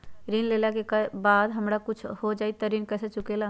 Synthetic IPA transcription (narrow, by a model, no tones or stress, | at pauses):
ɾinleːlakekbaːd̪ɦəmɾakʊt͡ʃʰhod͡ʒaːit̪ɐɾinkɛːset͡ʃʊkela